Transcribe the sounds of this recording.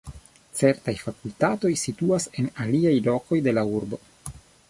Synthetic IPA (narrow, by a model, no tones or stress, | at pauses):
t͡se̞ɾtajfakultato̞jsituase̞naliajlo̞ko̞jde̞lauɾbo̞